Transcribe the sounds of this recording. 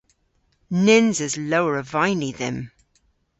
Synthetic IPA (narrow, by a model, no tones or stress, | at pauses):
nɪnzɪzloʊəɹəvaɪniðɪ̰̃m